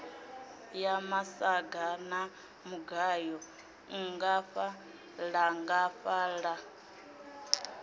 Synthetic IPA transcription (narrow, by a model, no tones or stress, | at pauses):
jamasaɡana | muɡajɔ | ŋŋɡaɸa | laŋɡafaɺa